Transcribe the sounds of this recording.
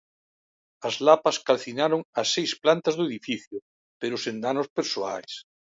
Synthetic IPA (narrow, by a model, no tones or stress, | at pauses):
ɐzlapɐskalθinaɾʊŋɐsːejsplant̪ɐzðʊeðifiθjʊ | peɾʊsend̪anʊspeɾsoa̰js